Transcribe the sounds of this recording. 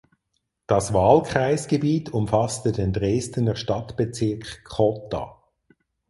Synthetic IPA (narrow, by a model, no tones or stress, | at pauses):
d̥ɑsvɑːlkʁ̥aɪsɡ̥ebiːtʰʊmfɑstədendʁeːstənəʁʃtɑtb̥et͡sɪɐkχkʰːɔtɑ̰